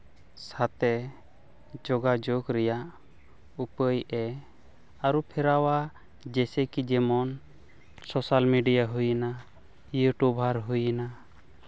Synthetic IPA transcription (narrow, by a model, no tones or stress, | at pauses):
sat̪ɛ | d͡ʒɔɡad͡ʒoɡɾɛjaʔ | upəjɛ | aɾupʰɛɾawa | d͡ʒɛsɛkid͡ʒɛmɔn | sɔsalmiɖijaɦujna | juʈubʱaɾɦujəna